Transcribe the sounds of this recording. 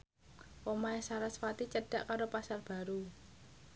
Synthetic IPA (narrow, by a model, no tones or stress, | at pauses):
ʔomaesaɾasfat̪it͡ʃəɖ̥a̤ʔkaɾopasarb̥a̤ɾu